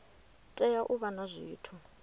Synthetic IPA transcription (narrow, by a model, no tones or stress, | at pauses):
tʼɛjaʔuβanazʷiːtʰu